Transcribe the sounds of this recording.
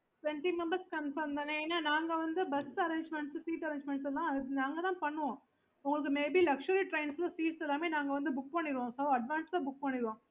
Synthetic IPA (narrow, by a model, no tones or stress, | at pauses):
sɛɳʈimɛmbɐɾskɐnfɐɾmd̪ɐneːnːaːnaːŋɡɐʋɐnd̪ɯbɛsɐɾẽːɲd͡ʒmɛɳʈssiːʈɐɾẽːɲd͡ʒmɛ̃ɳʈsɛlãːɐnãːŋɡɐt̪ãːpɐɳːɯʋãː | ʊŋɡɐɭɯkːɯmeːbilɐkʂɐɾiʈɾeɪnslɐsiːʈsɛlːaːmeːnãːŋɡɐʋɐnd̪ɯbʊk̚pɐɳːɪɾɯʋãːsɐʋɐɖʋaːnslabʊk̚pɐɳːɪɾɯʋãː